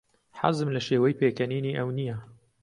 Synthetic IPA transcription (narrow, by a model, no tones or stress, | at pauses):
ħa̰zɨmlɐʃeːwɛjpʰeːkɛniːniːʔɐwnija